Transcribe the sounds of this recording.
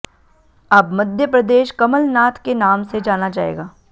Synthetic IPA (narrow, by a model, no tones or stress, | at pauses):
ɐbmɐd̪ʱjəpɾɐd̪eːʃkɐməlnaːt̪ʰkenaːmsed͡ʒaːnad͡ʒa̰ːḛːɡaː